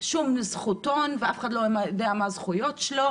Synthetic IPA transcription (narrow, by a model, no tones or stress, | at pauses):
ʃumizχut̪onveafeχad̪lomajod̪eamazχujotʃelo